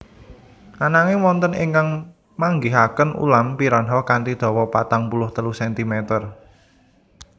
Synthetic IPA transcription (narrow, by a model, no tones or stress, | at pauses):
nanaŋewɔnt̪əniŋkaŋ | maŋɡiɦakənṵlampiɾɔnɦɔhkant̪id̪̥ɔ̤wɔpat̪aŋpulʊht̪əluhsɛnt̪imɛt̪ər